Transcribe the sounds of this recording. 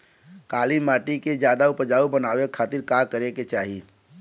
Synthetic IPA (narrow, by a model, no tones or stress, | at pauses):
kaːlimaːʈiked͡ʒjaːd̪aupəd͡ʒaːubənaːʋekʰːaːt̪iɾkakəɾeket͡ʃaːɦi